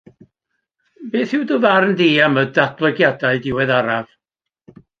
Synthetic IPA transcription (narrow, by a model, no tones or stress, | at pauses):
beːθɪwdʊðarndiːamədadb̥lˠəɡjadaɨdɪwɛðaɾav̥